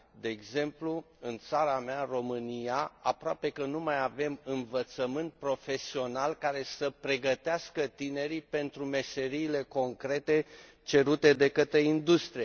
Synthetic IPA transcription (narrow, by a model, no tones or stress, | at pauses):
d̪e̞ːɡze̞mplu | ɨnt̪saɾamearo̞mɨnijaapɾoape̞kənumajave̞mɨnvət̪səmɨnt̪̚pɾo̞fe̞sio̞nalkaɾe̞səpɾe̞ɡət̪easkət̪ine̞ɾipe̞nt̪ɾume̞se̞ɾiːle̞ko̞ŋkɾe̞t̪e̞ | t͡ʃe̞ɾut̪e̞d̪e̞kət̪ɾe̞ind̪ust̪ɾie